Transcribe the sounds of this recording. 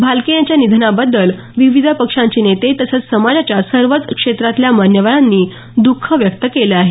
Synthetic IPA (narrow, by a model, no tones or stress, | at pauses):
bʱalkejat͡ɕjanid̪ʱnabəd̪ːəl | ʋiʋid̪ʱəpəkʂãɲt͡ɕiːnet̪et̪əsət͡ssəmad͡zat͡ɕjasəɾʋət͡skʂet̪ɾat̪ljamanjəʋaɭanːiː | d̪ukʰːəʋjəkt̪əkeleaɦe